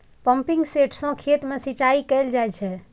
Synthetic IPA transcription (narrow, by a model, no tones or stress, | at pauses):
pəmpiŋɡseʈʰsə̃kʰet̪mesit͡ʃaikɛld͡ʒajt͡ʃʰɛ